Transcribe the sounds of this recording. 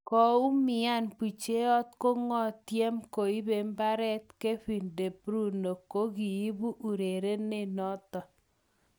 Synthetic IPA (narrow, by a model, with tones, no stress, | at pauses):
kɔ˨u˦mɪ˨˦a˦˨npi˨t͡ʃe˦ɔ˦tko˦ŋɔ˦˨tje˦mko˨i˦be˨mba˦ɾɛ˦t̚ke˦ɸi˨nde˨bɾu˦˨no˨ko˦ki˨i˦bu˦ʔu˨ɾe˨ɾe˦nɪ˦˨nɔ˦tɔ˨